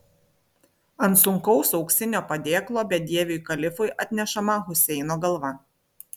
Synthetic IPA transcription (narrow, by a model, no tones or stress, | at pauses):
ɐnt̪sʊŋkɒʊsɒʊksʲɪnʲoːpɐd̪ʲeːklˠoːbʲɛd̪ʲiɛʋʲʊjkɐlʲɪfʊɪʔɐt̪ʲnʲɛʃɐmɐɣʊsʲɛɪnoːɡɐlˠʋɐ